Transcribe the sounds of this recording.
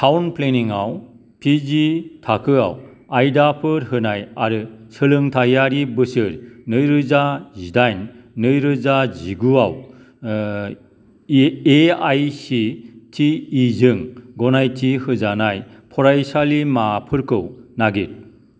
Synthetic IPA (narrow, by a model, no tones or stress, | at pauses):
tʰawnpleniŋaw | pʰizitʰakʰɯa̰w | ajdapʰɯɾɦɯnajaɾɯsɯlɯŋtʰajaɾibɯsɯɾnɯjɾɯzazidajnːɯjɾɯzaziɡuaw | eajsitʰiːzɯŋɡɔnajtʰihɯzanaj | pʰɔɾajsalimapʰɯɾkʰɯwnaɡit̚